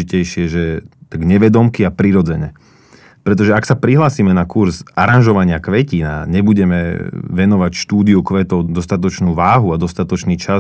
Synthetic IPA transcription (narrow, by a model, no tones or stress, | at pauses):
icɛjʃɪɛʒɛt̪aɡɲɛʋɛd̪ɔmkiapɾiɾɔd͡zɛɲɛ | pɾɛt̪̬ɔʒɛaksapɾiɦlaːsiːmɛnakuɾzaɾanʒɔʋaɲɪakʋɛcina̰ɲɛbuɟɛmɛʋɛnɔʋacʃt̪uːd̪iukʋɛːt̪ɔʊd̪ɔst̪at̪ɔt͡ʃnuːʋaːɦuad̪ɔst̪at̪ɔt͡ʃniːt͡ʃa